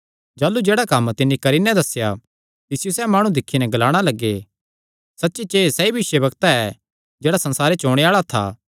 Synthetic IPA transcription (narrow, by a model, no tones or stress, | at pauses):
d͡ʒaːlːud͡ʒeːɽakɐmt̪ɪnːikɐɾinɛd̪ɐsːja | t̪ɪsɪjosɛːmaːɽ̃ũd̪ɪkʰːinɛɡɐlaːɽ̃alɐɡːe | sɐtːʃit͡ʃeːsɛibɪʃjəbɐɡt̪aɛ | d͡ʒeːɽasɐ̃nsaːɾet͡ʃoːɽ̃eaːɭat̪ʰa̰ː